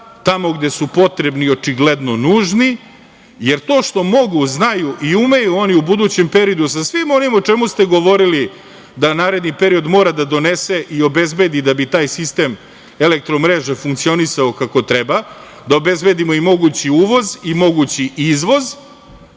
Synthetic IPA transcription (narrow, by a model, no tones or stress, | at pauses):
t̪amo̞ɡd̪e̞supo̞t̪ɾebnio̞t͡ʂiɡled̪no̞nuːʒni | je̞ɾt̪oːʃt̪o̞mo̞ɡuznajuʔiume̞juo̞niubud̪ut͡ɕe̞mpe̞ɾiod̪us̬asʋimo̞nimot͡ʃe̞must̪e̞ɡo̞ʋo̞ɾili | d̪anaːɾe̞d̪nipe̞ɾio̞d̪mo̞ːɾad̪ad̪o̞nese̞ʔio̞be̞zbe̞d̪id̪abit̪aːjsist̪e̞m | elek̚t̪ɾo̞mɾeʒefuŋkt̪sio̞nisaokako̞t̪ɾeba | d̪aobe̞zbe̞d̪imo̞imo̞ɡut͡ɕiuːʋo̞zimo̞ɡut͡ɕiʔizʋo̞z